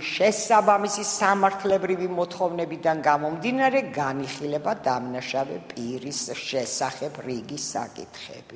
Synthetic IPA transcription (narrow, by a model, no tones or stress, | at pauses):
ʃɛsabamisisamaɾt̪ʰlɛbɾivimɔt̪ʰχɔvnɛbid̪anɡamɔmd̪inaɾɛɡaniχilɛbad̪amnaʃavɛpʼiɾisʃɛsaχɛbɾiɡisa̰kʼḭt̪ʰχɛ̰b̥i